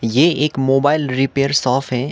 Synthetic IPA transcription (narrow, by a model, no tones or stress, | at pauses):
jeeːkmoːbaːɪlɾipeːɾsɔːfɦɛ̃